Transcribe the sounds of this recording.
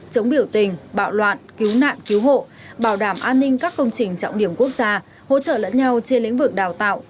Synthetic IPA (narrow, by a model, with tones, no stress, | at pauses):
t͡ɕə˨˦wŋ͡mɓi˧˩əwt̪ï˨˩ŋ̟ɓa̰ː˧˨wlwa̰ː˧˨nki˨˦wna̰ː˧˨nki˨˦wɦo̰˧˨ | ɓaː˧˩wɗaː˧˩mʔaː˧nːï˧ŋ̟kaː˦˥kːə˧wŋ͡mt͡ɕï˨˩ŋ̟t͡ɕɔ̰˧˨wŋ͡mɗi˧˩əmku˦˥ək̚zaː˧ | ho̰˧˥t͡ɕə̰ː˧˨lə̰˧˥nɲa˧wt͡ɕe˧nlḭ˧˥ŋ̟vɨ˨˩k̚ɗaː˨˩wt̪a̰ː˧˨w